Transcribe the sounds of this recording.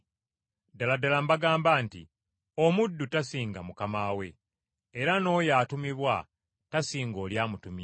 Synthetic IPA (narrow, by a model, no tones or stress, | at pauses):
daladalambaɡaːmbaːntḭ | omudːutasiːŋɡamukamaːwe̞ː | ɾano̞jaːtumiβwa | tasiːŋɡo̞ːljaːmutumi